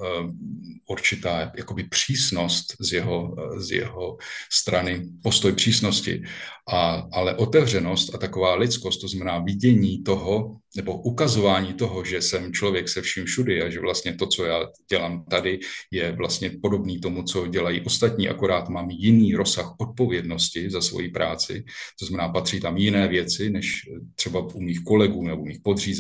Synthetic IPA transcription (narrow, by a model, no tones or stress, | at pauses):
ʔuɾt͡ʃɪt̪aːjako̞bɪpr̝̥iːsno̞st̪zjɛɦozjɛ̰ɦo̞st̪ɾanɪpo̞st̪o̞jpr̝̥iːsno̞scɪ̰ʔaalɛʔo̞t̪ɛvr̝ɛno̞st̪at̪ako̞vaːlɪt͡sko̞st̪̚t̪ːoznamɛnaːvɪɟɛɲiːt̪o̞ɦo̞ | nɛbo̞ʔukazo̞vaːɲiːt̪o̞ɦo̞ʒɛsɛmt͡ʃlo̞vjɛksɛfʃimfʃudɪaʒɛvlast̪ɲɛt̪o̞t͡so̞jaːɟ̥ɛlaːmt̪adɪjɛvlast̪ɲɛpo̞do̞bniːt̪o̞mut͡so̞ɟɛlajḭːʔo̞st̪at̪ɲiːʔa̰koɾaːt̪maːmjɪniːɾo̞saxʔot̪̚po̞vjɛdno̞scɪzasvo̰jipɾʔaːt͡sɪ̰t̪oznamɛnaːpat̪r̥iːt̪amjɪnɛːvjɛt͡sɪnɛʃt̪r̥ɛbaʔumiːxko̞lɛɡuːnɛboumiːxpod̪r̝iːz